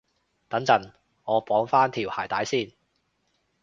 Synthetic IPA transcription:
t̪ɐ˨˥ŋt͡sɐ˨˩n | ŋɔː˨˧pɔː˨˥ŋfaː˥nt̪ʰiː˨˩whaː˨˩jt̪aː˨˥jsiː˥˩n

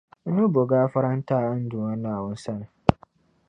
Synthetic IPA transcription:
n̩˦nʊ̃˦bo˨ɡaː˦fa˦ɾa˦n̩˦tʰa˦˨˦n̩˦dũ˨a˦nã˦˨a˨wʊ̃˦n̩˦sa˦nʊ̃˨

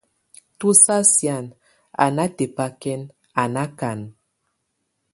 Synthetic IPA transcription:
tu˦sa˦sja˨n | a̰˨na˦te˨pa˦kɛ˦n | a˨na˦ka˨n

